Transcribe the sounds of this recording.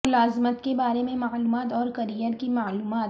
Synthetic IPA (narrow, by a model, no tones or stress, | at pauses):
ʊlaːzmət̪kebaːɾemẽmaːluːmaːt̪ɔːɾkɐɾijəɾkimaːluːmaːt̪